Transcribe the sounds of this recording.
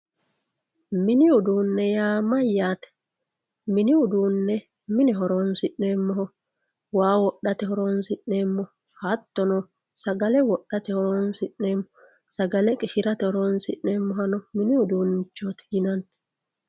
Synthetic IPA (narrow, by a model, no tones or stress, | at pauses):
mɪnɪʊd̪uːnːɛjaːmɐjːaːt̪ɛ̥ | mɪnɪʊd̪uːnːɛ | mɪnɛɦɔɾoːnsɪʔne̞ːmːɔɦɔ | waːwɔɗːɐt̪ɛhɔɾoːnsɪʔne̞ːmːɔ | hɐt̪ːɔnɔ | sɐɡɐlɛwɔɗːɐt̪ɛhɔɾoːnsɪʔne̞ːmːɔ | sɐɡɐlɛkʼɪʃɪɾɐt̪ɛhɔɾoːnsɪʔneːmːɔɦɐnɔmɪnɪʊd̪uːnɪt͡ʃːɔt̪ɛ̥jɪnɐn